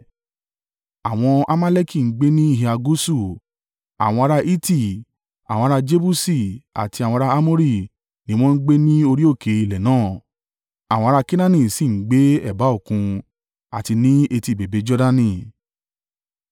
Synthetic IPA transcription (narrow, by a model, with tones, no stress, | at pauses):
a˨w̃ɔ̃˧a̰˦mã˦le˦ki˦˨ŋ̩˦ɡ͡be˦nĩ˦i˦hi˧a˧ɡu˦su˦˨ | a̰˨w̃ɔ̃˧a˧ɾa˧ʔi˦ti˦˨ | a̰˨w̃ɔ̃˧ɾa˧d͡ʒe˦bu˦si˦˨a̰˨ti˧a˨w̃ɔ̃˧ɾa˧a˦mo˦ɾi˦˨ | nĩ˦w̃ɔ̃˦ŋ̩˦ɡ͡be˦nĩ˦o˧ɾi˦o˦˨ke˨˦i˨lɛ˨nãː˦˨ | a˨w̃ɔ̃˧ɾa˧ki˦nã˦nĩ˦˨si˦˨ŋ̩˦ɡ͡be˨˦ɛ˦˨ba˨˦o˦˨kũ˧ | a˨ti˧nĩ˦e˧ti˨be˨be˨˦d͡ʒɔ˦da˦nĩ˧˨